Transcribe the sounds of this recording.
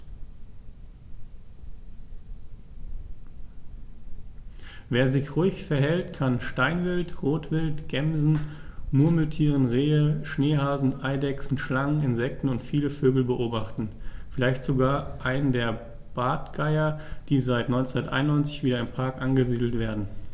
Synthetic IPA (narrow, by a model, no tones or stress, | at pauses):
veːɐzɪçʁʊɪçfɛɐɦɛltkʰanʃtaɪnvɪltʁoːtv̥ɪltɡ̥ɛmzn̩mʊɐml̩tʰiːʁən̩ʁeːəʃneːhaːzn̩ʔaɪdɛksn̩ʃlaŋənɪnzɛk̚tn̩ʊntfiːləføːɡl̩bəʔoːbaχtn̩fɪlaɪçtz̥oɡaːɐʔaɪnəndeːɐ | b̥aːtɡ̥aɪɐd̥iːzaɪtnɔʏnt͡sndɐtʔa̰ɪnʊnɔʏnt͡sɪçv̥iːdɾɐɪmpʰaɐkʔanɡəziːdl̩tv̥eːɐdn̩